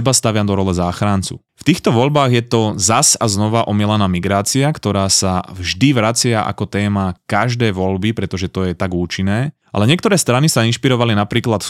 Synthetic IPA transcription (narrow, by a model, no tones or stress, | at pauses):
ɛbast̪aʋɪad̪ɔɾɔlɛzaːxɾant͡sṵ | ft̪iːxt̪ɔʋɔʎbaːɣjɛt̪ɔzasaznɔʋaʔɔmiɛlanaːmiɡɾaːt͡siakt̪ɔɾaːsavʒd̪iʋɾat͡sɪaʔa̰kɔt̪ɛːmakaʒd̪ɛːjʋɔʎbipɾɛt̪ɔʒɛt̪ɔjɛt̪aɡuːt͡ʃinːɛː | a̰lɛɲɪɛkt̪ɔɾɛːst̪ɾanisainʃpiɾɔʋalinapɾiːklat̪